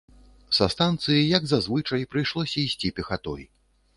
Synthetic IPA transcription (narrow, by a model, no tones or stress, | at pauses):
sɐst̪ant̪sɨjijɐɡzazvɨt͡ʂɐjpɾɨjʂlˠɔsʲɐisʲt͡sʲipʲɛxat̪ɔj